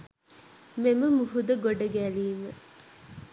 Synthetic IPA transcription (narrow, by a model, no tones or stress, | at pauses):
meməmuɦud̪əɡoɖəɡæliːmə